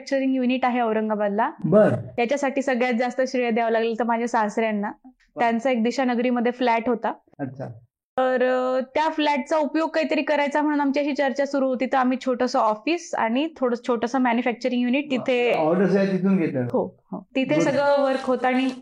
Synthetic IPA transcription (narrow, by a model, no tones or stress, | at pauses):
k̚t͡ɕəɾiŋɡjuniʈaɦeəʋɾəŋɡabad̪labəɾt̪jat͡ɕasaʈiːsəɡɭjat̪̚d͡zast̪əɕɾejəd̪jaaʋlaɡlelt̪əɾmad͡ʑʱjasasɾjanːa | t̪jant͡saek̚d̪iɕanəɡɾiːməd̪ʱːjeflæʈɦot̪a | ətːɕʰa | t̪əɾt̪jaflæʈ̚t͡saupjoɡ̚kaɦit̪əɾiːkəɾajt͡sam̤əɽ̃uːnamt͡ɕaɕiːt͡ɕəɾt͡ɕasuɾuːɦot̪iːt̪əɾam̤iːt͡ɕʰoʈʰəsəɔfiːsa̰ɽ̃it̪ʰoɽət͡ɕʰoʈəsəːmænjufæk̚t͡ɕəɾiŋɡjuniʈ̚t̪it̪ʰeɔʋʈəs̬əat̪it̪ʰuːnɡʱet̪əːhohot̪it̪ʰesəɡɭəʋəɾkɦot̪aaɽ̃i